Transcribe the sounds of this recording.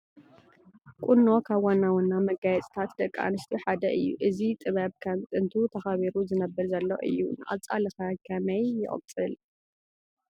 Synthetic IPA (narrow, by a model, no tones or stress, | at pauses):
kʷʼunːokʰaβwanːawunːamɐɡajɛt͡sʼt̪ʰat̪d̪ɐkʼːa̰nɨst̪ʰiħad̪ɐʔɨjːṵʔɨzit̪ʼɨβɐβkʰɐmt̪ʼɨnt̪ʰut̪ʰɐxaβiɾuzɨnɐbːɨɾzɐlːo̰ʔɨ̰jːṵnɨʔa̰βt͡sʼalɐxɐkʰɐmɐjːɪ̰ʔʼɨ̰t͡sʼɨl